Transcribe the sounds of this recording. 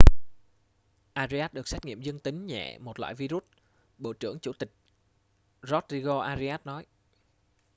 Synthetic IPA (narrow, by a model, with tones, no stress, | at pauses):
ʔaː˧zi˧aː˦˥t̚ɗɨ˨˩ək̚sɛ˦˥k̚ŋḭ˧˨əmzɨ˧əŋt̪ï˨˦ŋ̟ɲɛ̰˧˨mo˨˩t̚lwa̰ː˧˨jvi˧zu˦˥t̚ | ɓo̰˧˨t͡ɕɨ˧˩əŋt͡ɕu˧˩t̪ï˨˩k̚ | zɔ˦˥t̚zi˧ɣo˧ʔaː˧zi˧aː˦˥t̚nɔ˨˦j